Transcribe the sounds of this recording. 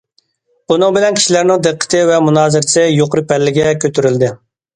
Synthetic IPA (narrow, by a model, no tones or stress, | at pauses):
bunɨŋbɪlɛnkʲʰi̥ʃilæɾnɪŋd̪ɨqʰːə̥t̪ʰɪvɛmunɑːzɪɾsɪjoqɾɨpʰɛlːɪɡʲɛkʲʰøt̪ʰyɾyld̪ɪ